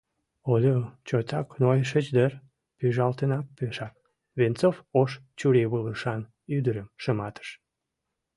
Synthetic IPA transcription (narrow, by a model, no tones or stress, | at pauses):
olʲot͡ɕot̪ɑknojʃət͡ɕd̪ər | pyʒɑlt̪ənɑk̚pyʃɑk̚ | βent͡sofoʃt͡ɕuɾeβələʃɑn | yd̪əɾəmʃəmɑt̪ə̥ʃ